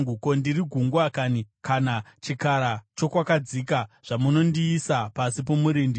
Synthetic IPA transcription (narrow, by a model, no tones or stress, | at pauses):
uko̞ndiɾiɡʱuŋɡwakaːnikanat͡ʃikaɾat͡ʃo̞kwakad͡zikaʐ̥amuno̞ndiːsapasipo̞muɾindi